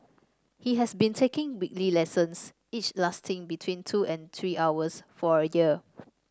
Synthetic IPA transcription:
hiɦɛsbĩntʰekɪ̃ŋwik̚lilɛsə̃ns | it͡ʃlastʰɪ̃ŋbitʰwĩntʰuɛ̃nt̪ʰɹiʔawəsfɔɹəjiə

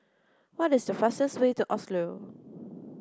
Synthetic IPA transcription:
wɔtɪsdəfastəstwetuʔɔslo

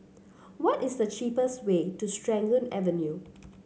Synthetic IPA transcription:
wɔtɪsdət͡ʃiːpəstwetustɹɛ̃ŋɡlə̃nɛ̰vənju

